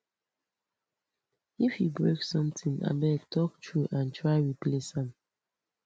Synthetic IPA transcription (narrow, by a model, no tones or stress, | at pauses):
ifjibɹeksɔ̃mtʰĩŋa̰bɛktʰɔk̚tʰɹuʔãntʰɹaɪɹiplesãm